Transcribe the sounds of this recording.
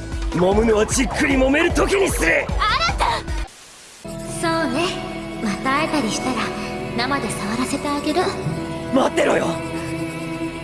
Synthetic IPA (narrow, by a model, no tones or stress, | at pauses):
momɯ̟noat͡ɕikʰːɯ̟ɾʲimo̞me̞ɾɯ̟t̪okʲiɲ̟isɨɾɯaɾat̪a | so̞ːne̞mat̪aet̪aɾʲiɕi̥t̪aɾanamad̪e̞saβaɾase̞t̪eaɡe̞ɾɯ̟mat̪ːe̞ɾojo